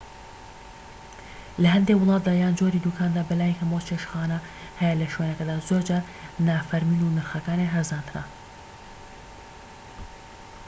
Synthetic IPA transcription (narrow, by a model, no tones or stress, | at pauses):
lɐɦɐnd̪ewʊlˠɑːt̪̚d̪aːjaːnd͡ʒoɾiːd̪ukʰaːnd̪aːbɐlaːjikʰɐmot͡ʃʰeʃxaːnɐ | hɛjɛlɐʃweːnɐkɐd̪aːzoːɾd͡ʒaːɾ | naːfɐɾmiːnunɨɾxɐkaːneɦɐzaːnt̪ʰɨna̰